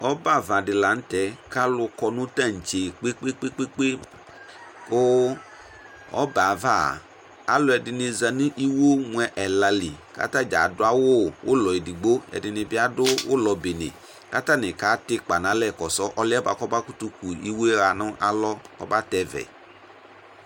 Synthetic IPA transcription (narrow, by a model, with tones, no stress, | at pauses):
ɔ˦ba˦˨va˨dɪ˧la˨˦n̩˦tɛ˨˦ka˦lʊ˧kɔ˧nʊ̃˦ta˦˨n̩˨t͡ʃe˨k͡pe˦k͡pe˦k͡pe˦k͡pe˦k͡pe˦ | kʊ˦ | ɔ̰˦ba˨va˦˨ | a˦lɔ˧ɛ˧dɪ˧ni˧za˧nĩ˦ʔi˦wo˦mwɛ˧ʔɛ˨la˧li˨ka̰˦ta˦d͡ʒa˨˦dʊ˦a˦wʊ˦˨wʊ̰˦lɔ˨i˨di˨ɡ͡bo˦ɛ̰˨˧dɪ˧nɪ˧bɪ˧a˨˦dʊ˦wʊ̰˦lɔ˧be˨nɪ̰˨ | ka˦ta˦nɪ˨ka˨˦tɪ˧k͡pa˨nã˨˦lɛ˦˨kɔ˨sɔ˦ʔɔ˧lɪ˦ɛ˦ba̰˧˨kɔ˦ba˦ku˦tu˧ku˨i˦wo˦ɾa˧nʊ˦ʔa˦lɔ˦kɔ̰˦ba˦tɛ˧vɛ̰˨